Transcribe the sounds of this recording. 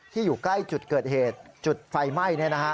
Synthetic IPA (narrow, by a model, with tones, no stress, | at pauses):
t̪ʰiː˥˩juː˨˩kla˥˩jt͡ɕu˨˩t̪̚kɤː˨˩t̪̚heː˨˩t̪̚t͡ɕu˨˩t̪̚fa˧jma˥˩jni˥˩ɐna˦˥kʰa˦˥